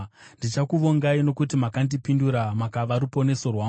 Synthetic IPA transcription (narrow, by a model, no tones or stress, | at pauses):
ndit͡ʃakuʋo̞ŋɡaino̞kutimakandipinduɾamakaʋaɾupo̞ne̞so̞rwaː